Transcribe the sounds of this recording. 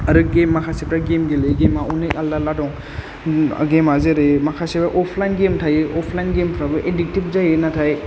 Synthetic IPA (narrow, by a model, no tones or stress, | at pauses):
aɾɯɡemːakʰasip̚ʰɾaɡemɡeleɡemaunekalːaladɔŋ | ɡemazeɾemakʰasibaʔɔpʰlajnɡemtʰajeʔɔpʰlajnɡempʰɾabɯʔedik̚tip̚zajenatʰaj